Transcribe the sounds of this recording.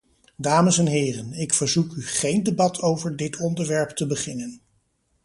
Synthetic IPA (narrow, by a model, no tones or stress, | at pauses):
daːməsɛnɦɪːrənɪkfəɹzukyχejndebɑtʰowvəɹdɪtʰɔndəɹʋɛɹptəbəχɪnən